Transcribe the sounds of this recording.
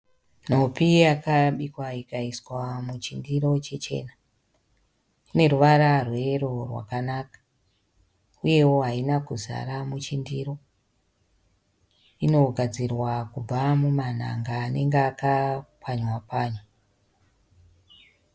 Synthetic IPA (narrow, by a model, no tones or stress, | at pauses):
n̤o̞piakaɓikwaikaiswamut͡ʃindiɾo̞t͡ʃe̞t͡ʃe̞̰na | kine̞ruʋaɾarwe̞ɾo̞rwa̰kanakḁ | uje̞wo̞ɦainakuza̰ɾamut͡ʃindiɾo̞ | ino̞ɡʱad͡zirwakub͡vamuman̤a̰ŋɡaːne̞ŋɡeakapʰaɲwapaːɲo